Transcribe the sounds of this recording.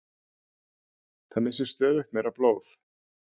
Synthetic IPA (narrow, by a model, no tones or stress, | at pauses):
θanːɪsɪɾ̥st̪œːðɪxt̪mejɾaploːwθ